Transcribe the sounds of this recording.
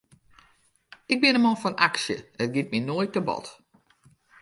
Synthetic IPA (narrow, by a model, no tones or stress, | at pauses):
ɪɡ̚bɪnəmɔfɔnaksjə̰ət̚ɡit̚minoəjt̚əbɔ̰t